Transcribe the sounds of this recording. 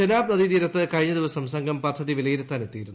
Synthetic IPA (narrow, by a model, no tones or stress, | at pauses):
d͡ʑenaːbnɐðid̪iːɾɐt̪ːɨkɐɻiɲːɐd̪iʋɐsɐmsɐŋɡʱɐmpɐd̪ʱːɐðiʋilɐjilet̪ːaːnet̪ːiːiɾunː